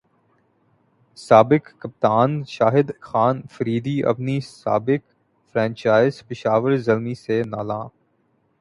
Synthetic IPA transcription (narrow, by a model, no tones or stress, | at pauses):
saːbɪkːɐp̚t̪aːnʃaːɦɪd̪xaːnfɐɾiːd̪iʔɐ̰bnisa̰ːbɪk | fɾɛ̃ːnt͡ʃaːɪzpɪʃaːʋəɾzɐlmisenaːlãː